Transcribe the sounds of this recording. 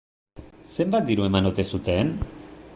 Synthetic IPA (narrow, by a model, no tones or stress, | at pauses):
se̞mbat̪̚d̪iɾue̞manot̪e̞sut̪e̞n